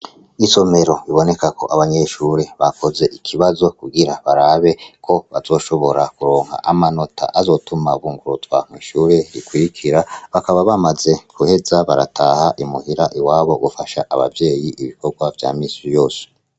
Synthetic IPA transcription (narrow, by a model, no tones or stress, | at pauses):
iso̞me̞ɾo̞iβo̞ne̞kako̞ʔaβaɲe̞ʃuːɾe̞βakʰo̞ze̞ʔikʰiβazo̞kuɡiɾaβaɾaːβe̞kʰo̞βazo̞ːʃo̞βo̞ɾakuɾo̞ːŋha̰ʔamano̞tʰa̰ʔazo̞ːtumaβuːŋɡuɾutwa̰m̥ŋiːʃuːɾe̞ɾikwiɾikʰiɾaβakaβaβamaze̞kuhe̞zaβaɾa̰tʰaːhaʔimuhiɾaʔiwaːβo̞ɡufaʃaʔaβa̰vje̞ːjiʔiβiko̞ɡwavja̰ːmiːsijo̞ːse̥